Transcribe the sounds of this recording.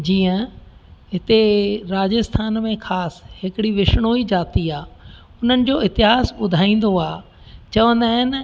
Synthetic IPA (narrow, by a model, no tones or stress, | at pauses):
d͡ʑiːə̃ɦɪt̪eɾaːd͡ʑəst̪ʰaːnmẽxʰaːsɦɪkɪɽiʋɪʃɽ̃oːid͡ʑaːt̪iaː | ʊn̤ənɪ̆d͡ʑoːɪɦt̪ɪɦaːsɓʊd̪ʱaːĩːn̆d̪oaː | t͡ɕɐʋə̃nd̪aːɦɪn